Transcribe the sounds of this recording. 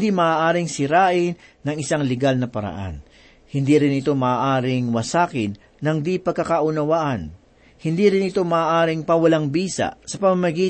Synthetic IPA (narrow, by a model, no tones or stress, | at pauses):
d̪imɐʔaːʔaːɾɪŋsɪɾaːʔɪnːɐŋɪsaŋlɛɡalnɐpɐɾɐ̰ʔa̰n | hɪnd̪iɾɪnɪt̪o̞mɐaːʔaːɾɪŋwɐsaːkɪnːɐŋd̪ipɐɡ̚kːɐkaʔʊnɐwaʔɐn | hɪnd̪iɾɪnɪt̪o̞mɐʔːʔaːɾɪŋpɐwɐlaŋbiːsɐ̰sɐpɐmamɐɡiː